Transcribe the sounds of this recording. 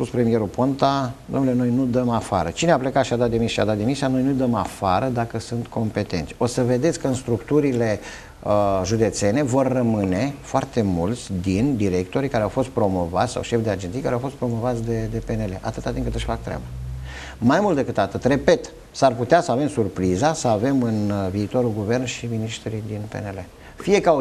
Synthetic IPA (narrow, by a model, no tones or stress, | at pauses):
puspɾe̞mije̞ɾupont̪ad̪omnuleno̞jnud̪əmafa̰ɾə̰t͡ʃineaple̞kat̪ʃiad̪at̪̚d̪imisʃia̰d̪at̪d̪imisiano̞jnujd̪əmafaɾəd̪akəsunt̪kʰo̞mpe̞t̪e̞nt̪sʲo̞səve̞d̪e̞t̪sʲkəɨnst̪ɾukt̪uɾile̞ | əʒud̪e̞t̪se̞ne̞vo̞rːəmɨne̞foart̪e̞mult̪sʲd̪ind̪iɾe̞k̚t̪o̞ɾikaɾeawfo̞st̪̚pɾo̞mo̞vat̪sʲsa̰wʃe̞fd̪ead͡ʒenijkaɾeawfo̞st̪pɾo̞mo̞vat̪sʲd̪e̞d̪e̞pe̞ne̞le̞ʔat̪ɨt̪at̪impkɨt̪ɨʃʲfak̚t̪ɾea̰ba | majmult̪d̪e̞kɨt̪at̪ɨt̪re̞pe̞t̪ | sarput̪easəave̞msurpɾizasəave̞mɨnviːt̪o̞ɾulɡuve̞rnʃiminiʃt̪ɾuijd̪inpe̞̰nele | fije̞ka